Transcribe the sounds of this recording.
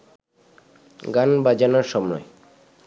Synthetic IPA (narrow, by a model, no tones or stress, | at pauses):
ɡanbad͡ʑanaɾʃɔmnɔ̰e